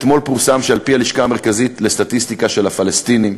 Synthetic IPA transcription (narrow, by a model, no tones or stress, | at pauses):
t̪mo̞lpuʁsamʃealpihaliʃkaːme̞ʁkazitle̞st̪atist̪ikaʃe̞lhafalest̪inim